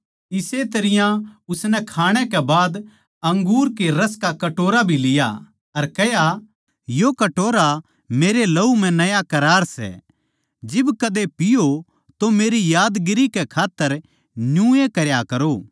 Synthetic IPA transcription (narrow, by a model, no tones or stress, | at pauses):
ɪset̪ɐɾɪjãʊsnɛkʰaːɽ̃ɛkɛbaːd̪ | ɐ̃ŋɡuːɾkeɾɐskakɐʈoːɾabʱilɪja̰ | ɐɾkɛɦja | jokɐʈoːɾa | meːɾelɐum̤ɛ̃nɐjakɐɾaːɾsɛ̰ | d͡ʒɪbkɐd̪epɪjo | t̪omeːɾijaːd̪ɡɪɾikɛkʰaːt̪ːəɾ | nũːekɐɾjakɐɾoː